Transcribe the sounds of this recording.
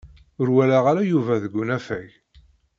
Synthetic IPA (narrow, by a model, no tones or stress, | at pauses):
ʊɾwælaʁaɾajuvæðəɡʷːʊnæfæʝ